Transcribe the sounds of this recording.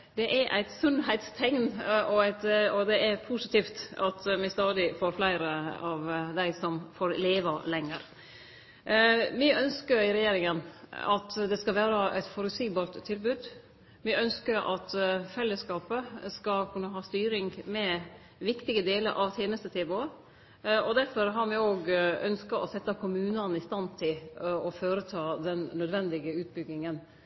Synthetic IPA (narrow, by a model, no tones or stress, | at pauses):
d̪ɛʔæɾʔæ̰ɪt̪sʉnhæɪt̪st̪ʰɛŋnʔɔæɪt̪ɔd̪ɛʔɛɾpʰusɪt̪ʰiːft̪ɑt̪mɪst̪ɑːd̪ɪfoːɾflæɪɾəɑʋd̪æɪsɔmfoːɾleːʋəlɛŋːəɾ | mɪœnskəɾɪɾɛjeːɾɪŋənɑt̪d̪ɛskɑlʋæːɾəʔæɪt̪fɔɾʉt̪siːbɑːɾt̪ʰːɪlbʉːd̪ | ʋɪœnskəɾʔɑt̪fɛlːəskɑːpəskɑlkʰʉnːəɦɑːst̪yːɾɪŋɡmɛ | ʋɪkt̪ɪɡəd̪eːlə̰ɾʔɑʋt̪ʰjeːnəst̪ət̪ʰeːbo | ɔd̪æɾfɔɾɦɑɾmɪoːɡœnskɑɔsɛt̪ːɑkʰʊmʉːnɑnɪst̪ɑnt̪ʰɪlɔføːɾət̪ʰɑːd̪ɛnːœd̪ʋɛnd̪ɪɡəʉːt̪̚bʏɡnɪŋən